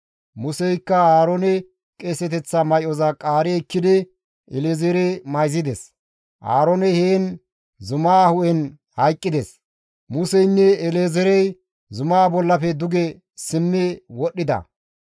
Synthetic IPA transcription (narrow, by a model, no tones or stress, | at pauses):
mʊsɛjkːɐaːɾɔnɛ | kʼesɛt̪ɛt͡sːɐmɐjɔzɐkʼaːɾɛːkːɪd̪ɪ | ɛleːzɛɾemɐjzɪd̪ɛs | ʔa̰ːɾɔnɛheːn | zʊmaːhʊʔɛn | hɐjkʼːɪd̪ɛs | mʊsɛjnːɛːleːzɛɾɛj | zʊmaːbɔlːɐfɛd̪ʊɡɛ | sɪmːɛwɔɗːɪd̪ɐ̰